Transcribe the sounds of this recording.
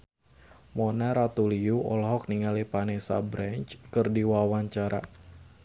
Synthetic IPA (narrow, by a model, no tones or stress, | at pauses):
mɔnaɾat̪uliuɔlɦɔk̚niŋalipanesa̰bɾant͡ʃkɨrdiwawaɲt͡ʃaɾa̰